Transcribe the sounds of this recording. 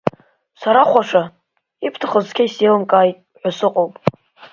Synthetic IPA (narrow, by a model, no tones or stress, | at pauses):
saɾaχʷaʂa | ipʰtʰaχəzkʰʲaiselɨmkʼaːjtʼʕʷasɨqʼowpʼ